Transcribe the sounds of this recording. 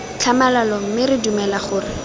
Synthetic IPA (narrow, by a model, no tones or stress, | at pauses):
t͡ɬʰamalalɔmɪrɪdumɛlaχʊːrɪ